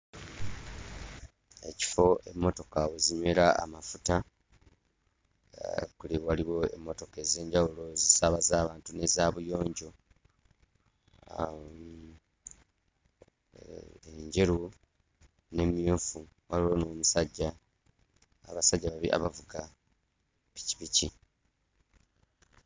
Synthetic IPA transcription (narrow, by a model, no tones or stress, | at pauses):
e̞ci̥fo̞e̞mːo̞to̞kaweziɲwe̞ːɾa̰ːmafuta | kuliwaliwo̞ḛmːo̞to̞ke̞ze̞ːɲɟawulo̞zisaβazaːβaːntune̞zaβujo̞ːɲɟo̞ | eɲɟe̞ɾu | ne̞mjuːɱfu | waliwo̞no̞ːmusaɟːa | a̰βasaɟːaβaβiʔa̰βavuɡa | pi̥ci̥pici